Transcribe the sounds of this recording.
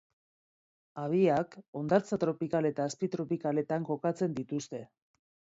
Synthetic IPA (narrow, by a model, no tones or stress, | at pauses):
aβiako̞nd̪aɾt͡sat̪ɾo̞pikale̞t̪aːspit̪ɾo̞pikale̞t̪aŋko̞kat͡se̞nd̪it̪ust̪e̞